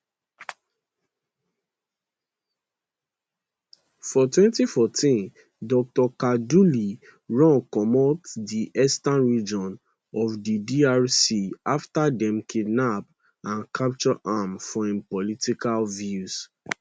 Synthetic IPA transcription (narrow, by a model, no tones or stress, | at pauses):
fɔtwɛ̃ntifɔtʰĩn | dɔk̚tɔkaduli | ɹɔ̃nkɔmɔtdiʔɛstãnɹid͡ʒɔ̃n | ɔvdidiaɹsiaftadɛ̃mkʰidnap̚ | ãnkʰap̚t͡ʃɔʔamfɔĩnpɔlitikalvjus